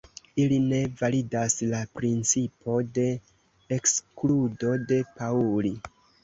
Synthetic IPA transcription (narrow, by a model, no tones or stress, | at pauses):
iline̞validaslapɾint͡sipo̞de̞ː | kskludo̞de̞pauli